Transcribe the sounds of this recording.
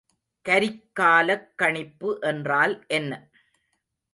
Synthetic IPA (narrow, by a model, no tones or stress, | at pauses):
kɐɾɪkːaːlɐkːɐɳɪpːɯʔɛndraːlʔɛnːɐ